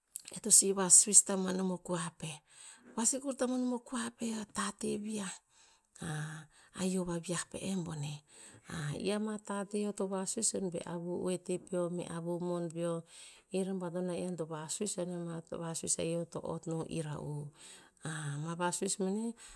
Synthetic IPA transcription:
ḛtosiβasuistamanomokuape̞ | βasikuɾtamanomo̞kuape̞atateβia | aa̰jo̞βaβiahpḛʔembo̞ne̞aḭamatateo̞toβasuisonbe̞̰ʔaβuṵetepio̞mḛʔaβumonbioiɾambadonaiantoβasuisonemaβasuḭsa̰jo̞to̞̰ʔo̰tnoʔḭɾa̰ʔu | amaβasuismene

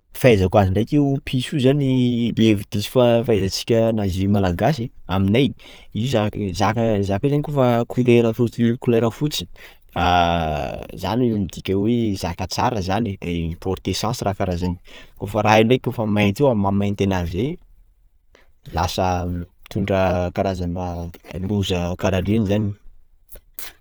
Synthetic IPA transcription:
fajzakuaziɳɖ͡ʐakʲeupʰisuzanilevid̪̥isi̥fafazat͡si̥kʲənazimalaɡasiaminaj | izazakazakezanikofakʰuleɾəfut̪ikuleɾafut͡si̥ | a | za̰nimid̪ikʲewezakat͡saɾəzaniepɔɾt̪esãsirakaɾazani̥kofəɾainrekofəmajt̪eamamãnt̪enavze | lasət̪ʰuɳɖ͡ʐəkaɾazananimuzəkaɾaɖ͡ʐinizani

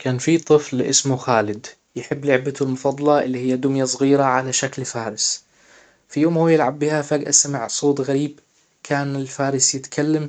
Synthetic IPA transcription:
kaːnfit̪ˤɨflʔɪsmuxaːlɪd̪ | jɪħɪbːlɪʕbat̪ulmʊfɑd̪ˤːɑlɑʔɪlːihɪjːad̪ʊmjasˤɣiːɾaʕalaʃaklfaːɾɪs | fijoːmhuːjɪlʕabːɪhafaːɡʔa̰samɪʕsˤoːt̪ˤɣaɾiːb | kʰaːnɪlfaːɾɪsjɪt̪kʰalːam

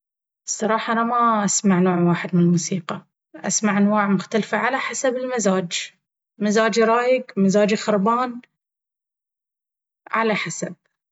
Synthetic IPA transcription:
sˤːɑɾˤɑːħɑʔanamaʔasmaʕnoːʕwaːħɪd̪mɪnɪlmuːsiːqɑ | ʔasmaʕʔanwaːʕmʊxt̪alfaʕalaħasabɪlmazaːd͡ʒ | mazaːd͡ʒiɾˤɑːjɪɡmazaːd͡ʒixʊɾˤbɑːn | ʕalaħasab̥̚

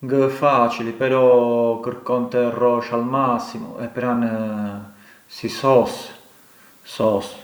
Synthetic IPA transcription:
ŋɡəfat͡ʃilipɛɾɔkəɾkɔnt̪ɛrɔʃalmasːimṵɛpːɾan | sisɔs | sɔs

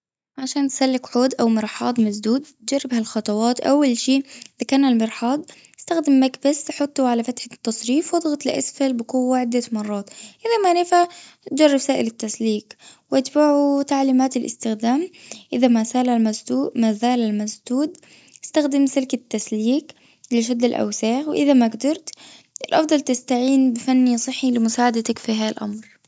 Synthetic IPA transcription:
ʕaʃaːnt̪salːɪkħoːd̪ʔawmɪɾˤħɑːd̪ˤmasd̪uːd̪̚t̪̚d͡ʒarːɪbhalxɑt̪ˤɑwɑːt̪ʔa̰wːalʃiːʔɪðakaːnalmɪɾħɑːd̪ˤɪst̪axd̪ɪmːakbasħʊt̪ˤːuʕalafat̪ħɪt̪ːɑsˤɾiːfwɑd̪ˤɣɑt̪ˤlʔa̰sfalbɪkuwːaʕɪd̪ːamɑrˤːɑːt̪ʔɪðamanɪfa | t̪̚d͡ʒɑrˤːɪbsaːʔɪlɪt̪ːasliːkwʔɪt̪baʕut̪aʕliːmaːt̪ɪlʔɪ̰st̪ɪxd̪aːmʔɪðamazaːlalmasuːmazaːlalmasd̪uːd̪ | ɪst̪axd̪ɪmsɪlkat̪ːasliːk | lɪʃ̬ad̪ːɪlʔa̰wsaːxwɪʔɪðamaɡd̪ɑɾˤt̪ | ʔɪlʔɑfd̪ˤɑlt̪ɪst̪aʕiːnbɪfanːisˤɨħːilɪmʊsaːʕad̪at̪akfiɦaːðalʔa̰mɾ

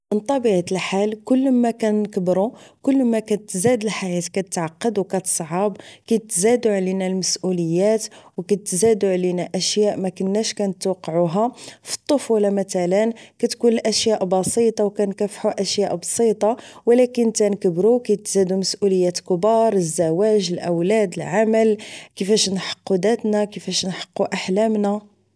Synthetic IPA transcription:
mənt̪ˤːɑbiʕat̪əlħalkʊlːmækænkəbɾukʊlːmækæt̪zæd̪əlħajæt̪kæt̪ət̪ʕɑqːɑd̪wkæt̪ə̥sˤʕɑbkæjt̪ːzæd̪uʕlinælməsʔuləjːæt̪wkæt̪ːzæd̪uʕlinæʔæʃjæʔmækənːæʃkænət̪wɑqːʕuɦæfi̥t̪ˤːofulæmæt̪ælənkæt̪kunəlʔæʃjæʔbɑsit̪ˤɑwkænkæfħuʔæʃjæʔbsˤit̪ˤɑwəlækənt̪ænkəbɾukæjt̪ːzæd̪uməsʔuləjːæt̪kəbɑɾˤəzːæwæʒəlʔəwlæd̪əlʕaməlkəfæʃnħə̥qːud̪æt̪nækəfæʃnħə̥qːuʔaħlæmnæ

